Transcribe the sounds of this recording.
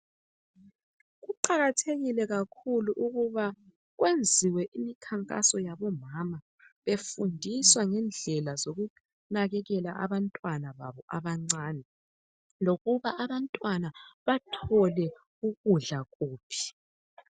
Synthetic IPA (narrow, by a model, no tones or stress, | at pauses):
ɣuǃaɣatʰeɣilɛɣakʰuluʔuɣuβa | ɣwʔend͡zʱiwɛʔimikʰaŋkʼa̰sɔjaβɔmama | βefundʱiswaŋɛnd͡ɮʱɛlazoɣu | naɣɛɣɛlaʔa̰βantʼwanaβaβɔʔaβaŋ͡ǀaːnɛ | loɣuβaʔaβantʼwanaβatʰɔlɛ | uɣuɮaɣuːpʰi̥